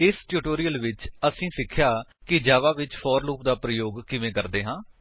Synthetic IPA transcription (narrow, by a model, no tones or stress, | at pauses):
ɪsʈuːʈoːɾijəlʋɪt͡ʃəsĩːsɪkʰjaːkɪd͡ʒaːʋaːʋɪt͡ʃpʰɔːɾluːp̚d̪aːpɾəjoːɡkɪʋẽːkəɾd̪eːɦãː